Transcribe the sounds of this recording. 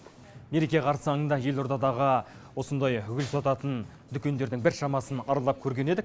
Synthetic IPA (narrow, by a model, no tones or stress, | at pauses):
me̞ɾe̞kʲe̞qʰɑɾsɑŋənd̪ɑje̞lˠoɾd̪ɑd̪ɑʁə | wo̞sənd̪ɑjʏɡʲʏɪlsɑt̪ɑt̪ən | d̪ʏkʲe̞nd̪e̞ɾd̪ɪŋbɪɾʃɑmɑsənɑɾəlˠɑp̚kʲʰɵɾɡʲe̞ne̞d̪ɪkʲ